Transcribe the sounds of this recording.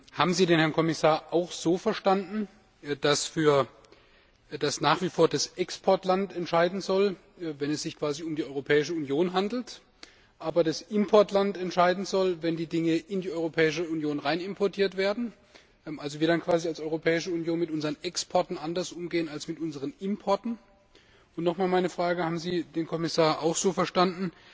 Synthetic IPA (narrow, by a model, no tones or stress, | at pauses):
ha̰ːbm̩ziːdeːnhɛɐnkʰɔmɪsaːɐʔaʊxz̥oːfɛɐʃtandn̩ | d̥asfyːɐ | d̥asnaːχv̥ifoːɐdasʔɛkspʰɔɐtlantɛntʃaɪdn̩zɔl | vɛnɛsz̥ɪçkv̥aːziʊmdiːɔʏʁopʰɛːɪʃəunjoːnɦandl̩t | ʔaːbɐdasʔɪmpʰɔɐtlantɛntʃaɪdn̩zɔlvɛndiːdɪŋəʔɪndiːʔɔʏʁopʰɛːɪʃ̬əunjoːnʁaɪnɪmpʰɔɐtʰiːɐtv̥eːɐdn̩ | mʔalzoviːɐdankʰv̥aːzialsɔʏʁopʰɛːɪʃəunjoːnmɪtʔʊnzəʁənʔɛkspʰɔɐtn̩ʔandɐsʔʊmɡeːənalsmɪtʔʊnzəʁ̞ənɪmpʰɔɐtn̩ | ʊntnɔχmaːlmaɪnəfʁ̥aːɡəhaːbm̩ziːdeːnkʰɔmɪsaːɐʔaʊxz̥oːfɛɐʃtandn̩